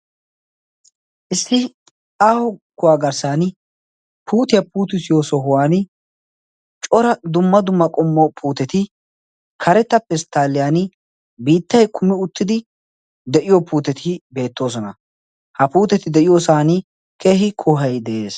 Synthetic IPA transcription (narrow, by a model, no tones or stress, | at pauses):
ʔɪsːɪ | aːhʊkːʊwaːɡɐɾsaːnɪ | pʰuːt̪ɪjɐpuːt̪ɪsɪjosɔɦʊwaːn | t͡ʃʼɔɾɐd̪ʊmːɐd̪ʊmːɐkʼɔmːɔpʰuːt̪ɛt̪ɪ | kʰɐɾɛt̪ːɐpːɛst̪aːlːɪjaːn | biːt̪ːɐjkʰʊmɪʊt̪ːɪd̪ɪ | d̪ɛʔɪjɔpʰuːt̪ɛt̪ʰɪbe̞ːt̪ːo̞ːs̬ɔnɐ | hɐpuːt̪ɛt̪ɪd̪ɛʔɪjoːsaːnɪ | keːɦɪkʰoːɦɐjd̪ɛʔeːs